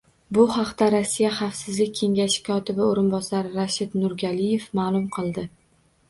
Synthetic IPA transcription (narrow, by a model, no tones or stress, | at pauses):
bʊhɑqt̪aɾasːijaχɑfsɪzlɪk̚ʲʰːe̞ŋɡʲaʃɪ̥kʰɒt̪ɪbɪoɾɪnbɒsaɾɪɾaʃɪd̪nʊɾɡʲalije̞fmaːlˠʊmqʰɨlˠd̪ɪ